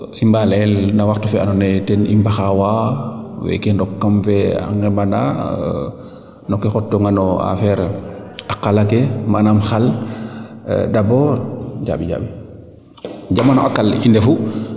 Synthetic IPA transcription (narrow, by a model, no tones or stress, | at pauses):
imbalɛlnawaxtufɛanɔnɛtɛnḭmbaxawa | wɛ̰kɛndɔkːamfɛa̰ŋɡɛmanda̰ | nɔkɛxɔtːɔŋanɔa̰fɛɾakːalakɛmanamxal | dabɔɟa̰ːɓiɲa̰ːɓi | d͡ʒamːanɔʔakːalindɛfu